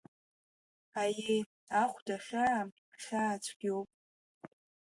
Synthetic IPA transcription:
aje | aχʷdaχʲa | χʲaːt͡ʃʷʰʼɡ̥ʲowpʼ

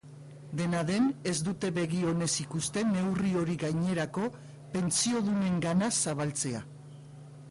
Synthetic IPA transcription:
d̪e̞naðe̞ne̞zd̪ut̪e̞βe̞ɣ̞io̞ne̞sikust̪e̞ne̞wrio̞ɾiɣajɲe̞ɾako̞ | pe̞nt͡sio̞ðune̞ŋɡanasaβ̞alt͡se̞a̰

